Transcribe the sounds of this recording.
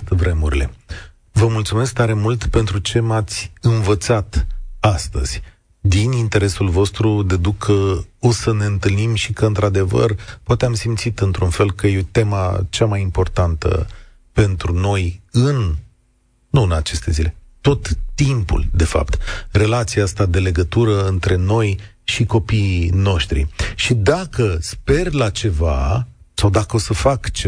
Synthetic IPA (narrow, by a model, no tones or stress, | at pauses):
t̪vɾe̞muɾʲile̞̰ | vəmult̪sume̞sk̚t̪aɾe̞mult̪pe̞nt̪ɾut͡ʃe̞mat̪sʲɨnvət̪sat̪ast̪ə̰z̥ʲ | d̪inint̪e̞ɾe̞sulvo̞st̪ɾud̪e̞d̪ukʰəo̞səne̞ɨnt̪ɨlnimʃikəɨnt̪ɾad̪e̞və̰rpowat̪eamsimt̪sit̪ɨnt̪ɾunfe̞lkəjet̪e̞ma̰t͡ʃamajimpo̞rt̪ant̪ə̰ | pe̞nt̪ɾuno̞jɨnː | uɨnat͡ʃe̞st̪e̞zile̞ | t̪o̞t̪ːimpṵld̪e̞fa̰pt̪re̞lat̪siaast̪ad̪e̞le̞ɡət̪uɾəɨnt̪ɾe̞no̞j | ʃiko̞piːno̞ʃt̪ɾḭʃid̪akəspe̞rlat͡ʃe̞vasawd̪akəo̞səfakt͡ʃe